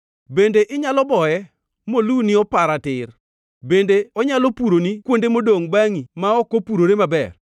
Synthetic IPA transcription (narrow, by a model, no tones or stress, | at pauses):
bendeʔɪɲalɔbɔɛ | molunɪɔpaɾatɪr | bendeɔɲalopuɾonikwondemodoŋbaŋimaɔkːopuɾoɾemabɛ̰r